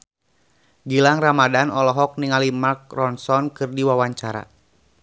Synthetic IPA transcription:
ɡilaŋramadanɔlɔɦɔk̚niŋalimark̚rɔnsɔnkɨrdiwawaɲt͡ʃaɾa̰

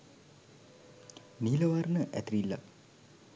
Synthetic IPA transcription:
niləʋarnəʔæ̰t̪ɾilːa̰

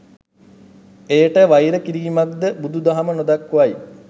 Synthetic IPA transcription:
eːʈəʋajɾəkiɾiːmak̚d̪əbud̪ud̪aɦamənod̪akːuʋaj

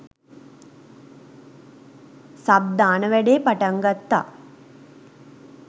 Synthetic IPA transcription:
sab̚d̪aːnəʋæɖeːpaʈəŋɡat̪ːa̰

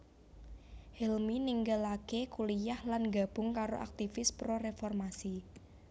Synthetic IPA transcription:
hɛlminiŋɡəlakekulijahlanɡa̤b̥ʊŋkaɾoʔa̰k̚t̪ifɪspɾoɾefɔrmasi

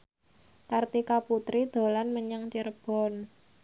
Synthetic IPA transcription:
kart̪ikaput̪ɾid̪̥o̤lanməɲaŋt͡ʃərb̥ɔ̤n

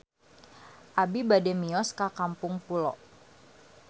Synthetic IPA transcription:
ʔabibadɛmiɔskakampʊŋpulɔ̰

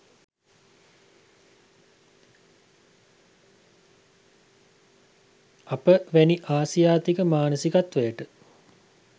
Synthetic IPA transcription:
apəʋæniʔaːsijaːt̪ikəmaːnəsikat̪ʋejəʈə

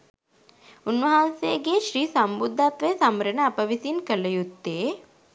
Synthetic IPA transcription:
unʋɐɦanseːɡeːʃɾiːsambud̪ʱːat̪ʋejsaməɾənəapəʋisinkələjut̪ːeː

